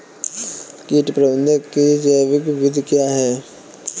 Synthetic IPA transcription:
kiːʈpɾəbə̃nd̪ʱəkid͡ʒəjʋɪkɪʋɪd̪ʱkjaːɦɛː

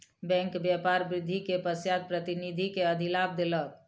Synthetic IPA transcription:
bɛ̃ŋkbjapaɾbɾɪd̪ʱːikepəsjad̪̚pɾət̪inid̪ʱikeəd̪ʱilab̚d̪elək̚

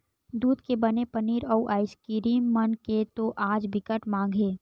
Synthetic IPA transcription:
d̪uːd̪kebənepəniːɾɔːʔaːɪskiɾiːmːənket̪oʔaːd͡ʒbɪkəʈmãːŋɡʱeː

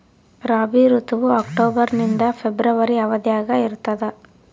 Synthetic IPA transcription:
ɾaːbiːɾut̪ɐʋuaːkʈoːbɐɾnind̪ɐpʰebɾɐʋɐɾiɐʋɐd̪jaːɡɐiɾut̪ːɐd̪ɐ

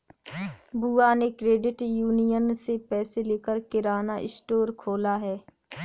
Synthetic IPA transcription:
buːanekɾeːɖɪʈjuːnijənsepɛːseleːkəɾkɪɾaːnaʔɪsʈoːɾkʰoːlaɦɛː

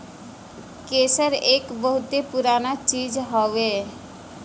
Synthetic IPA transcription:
keseɾekboɦut̪epuɾanat͡ɕid͡ʑɦɔbe

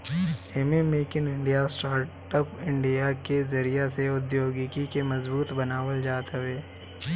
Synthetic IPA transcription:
eːmemeːkɪnɪ̃ɳɖijasʈaːɾʈəpɪ̃ɳɖijakezɐɾijaseʊd̪joːɡikikemɐzbuːt̪bɐnaːʋəld͡ʒaːt̪ɦəʋeː

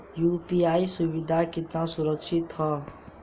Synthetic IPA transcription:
jupiaisubid̪ʱakit̪nasuɾəkʃʰit̪ɦɔ

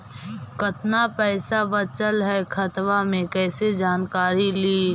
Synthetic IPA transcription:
kɐt̪napɛːsabɐt͡ʃəlɦɛkʰɐt̪ʋamẽkɛːsed͡ʒaːnkaːɾiliː

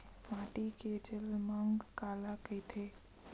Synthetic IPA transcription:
mãːʈiked͡ʒəlməŋɡkaːlakəjt̪ʰe

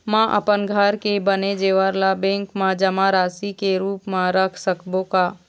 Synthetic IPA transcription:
mãʔə̰pənɡʱəɾkebəned͡ʒeːʋəɾlabẽːŋkmãd͡ʒəmaɾaːsikeɾuːpmãɾəkʰsəkbõkaː

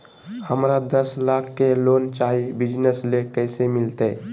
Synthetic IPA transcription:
həmɾad̪əslakʰːeloːnt͡ʃaɦibɪd͡ʒnəslekəɪsemɪlt̪e

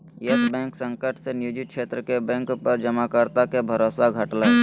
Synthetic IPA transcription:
jəsbɛ̃ːŋksə̃ŋkəʈʰsenɪjuːd͡ʒɪt̪̚kʃʰeːt̪ɾəkebɛ̃ːŋkpəɾd͡ʒəmakəɾt̪akebʱəɾoːsaɡʱəʈlə

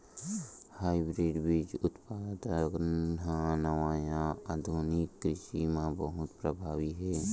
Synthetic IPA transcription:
haːibɾiːɖbit͡ʃʊt̪paːt̪ɡãnəʋaːjãəd̪ʱunikːɾɪʃimãbəɦʊt̪pɾəbʱaːʋiɦɛː

